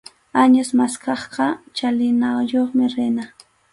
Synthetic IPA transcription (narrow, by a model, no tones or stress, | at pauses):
aɲasmaskɑχqɑt͡ʃalɪnɑjoχmɪɾɪna